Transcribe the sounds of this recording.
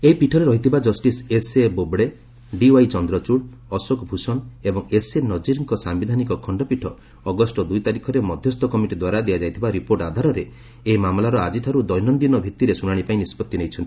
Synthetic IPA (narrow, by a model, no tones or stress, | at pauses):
eipiʈʰɔɾeɾɔɦit̪ʰibad͡ʒɔsʈisesebobɽe | ɖiwajt͡ʃɔnd̪ɾɔt͡ʃuɽ | ɔsokbʱusɔnebɔŋesenɔd͡ʒiɾŋkɔsambid̪ʱanikɔkʰɔɳɖɔpiʈʰɔː | ɡɔsʈɔd̪ujt̪aɾikʰɔɾemɔd̪ʱjɔst̪ʰɔkɔmiʈid̪waɾad̪ijad͡ʒajt̪ʰibaɾipoɾʈad̪ʱaɾɔɾeː | ɦmamlaɾɔad͡ʒiʈ̪ʰaɾud̪ɔjnɔnd̪inɔbʱit̪iɾesuɽ̃aɽ̃ipaĩnispɔt̪ːinejt͡ʃʰɔnt̪i̥